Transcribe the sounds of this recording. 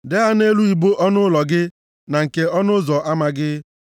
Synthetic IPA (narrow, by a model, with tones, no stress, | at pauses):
de˦ɦa˦ne˦lu˦i˨bo˦ʔɔ˦nʊ˦lɔ˨ɡɪ˦ | na˨ŋ̩˨ke˨ɔ˦nʊ˦zɔ˨ʔa˦ma˨ɡɪ˦